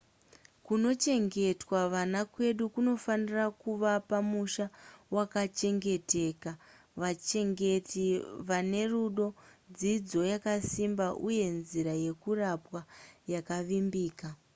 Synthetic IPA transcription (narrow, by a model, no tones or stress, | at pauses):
kuno̞t͡ʃe̞ŋɡe̞twaʋanakwe̞ɗukuno̞fanirakuʋapamuʃawakat͡ʃe̞ŋɡe̞te̞ːka | ʋat͡ʃe̞ŋɡe̞tiʋane̞ruɗo̞d͡zid͡zo̞jakasimbaʔuje̞nziɾaje̞kurapwajakaʋimbiːka